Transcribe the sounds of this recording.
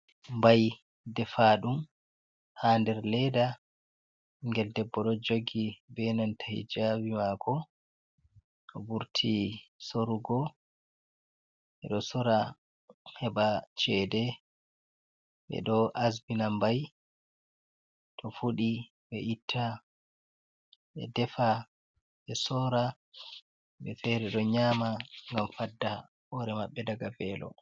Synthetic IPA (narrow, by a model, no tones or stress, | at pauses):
mbaj | dɛfaɗum | handɛɾlɛda | ŋɡɛldɛbːɔɗɔd͡ʒoɡibɛnantʰahḭd͡ʒabimakʰɔ | tɔbuɾtʰisoɾuɡɔ | ɓɛɗɔsɔɾa | hɛɓat͡ʃɛdɛ | ɓɛ̰ɗɔʔazbinambaj | tʰɔfuɗi | ɓɛʔitʰːa | ɓɛ̰dɛfa | ɓɛsɔːɾa | ɓɛfɛɾɛɗɔɲamaŋɡamfadːa | ɔɾɛmaɓːɛdaɡabɛːlɔ̰